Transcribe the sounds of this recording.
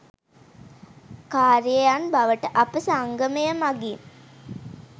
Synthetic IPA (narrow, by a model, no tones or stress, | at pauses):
kaːɾiəjanbaʋəʈəʔapəsaŋɡəməjəmaɡin